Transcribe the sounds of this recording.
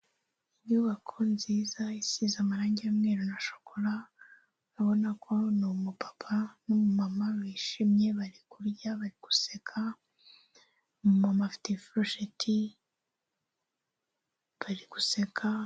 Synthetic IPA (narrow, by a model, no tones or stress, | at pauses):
ibɲuːβakʰo̞nziːzaisizamaɾaːɲɟijamŋeːɾonaʃo̥kʰoɾa | naβo̞nakʰo̞numupḁpʰanomumamaβiːʃimɲe̞βaɾikuɾɟaβaɾiɡ̥u̥sekʰa | mumamafi̥tefɾoʃetʰi | βaɾiɡusekʰa